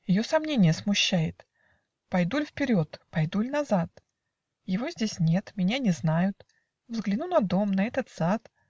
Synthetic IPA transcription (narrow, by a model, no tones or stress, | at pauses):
jɪjo̞sɐmnʲenʲɪjəsmʊɕːæjɪt̪ | pɐjd̪ulʲfpʲɪɾʲo̞t̪pɐjd̪ulʲnɐzat̪ | jɪvo̞zʲdʲesʲnʲe̞t̪mʲɪnʲanʲɪznajʊt̪ | vzɡlʲɪnunɐd̪o̞mnɐɛt̪ət̪sat̪